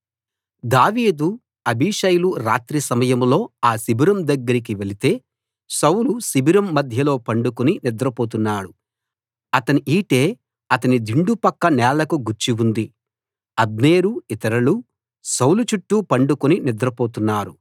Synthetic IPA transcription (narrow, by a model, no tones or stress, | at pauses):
d̪aːʋiːd̪u | ɐbʱiːʂɐjuluɾa̰ːt̪ɾisɐmɐjɐmlo̞ːaːsibiɾɐmd̪ɐɡːɐɾik̬iʋe̞lit̪e̞ː | sɐwlusibiɾɐmːɐd̪ʱjɐlo̞ːpɐɳɖukuninid̪ɾɐpoːt̪̬unːaːɽu | ɐt̪ɐniʔiːʈe̞ː | ɐt̪ɐnid̪iɳɖupɐkːɐnɛːlɐkuɡuɾt͡ʃiund̪i | ɐbneːɾuit̪ɐɾɐlu | sɐwlut͡ʃuʈːupɐɳɖukuninid̪ɾɐpo̞ːt̪unːaːɾu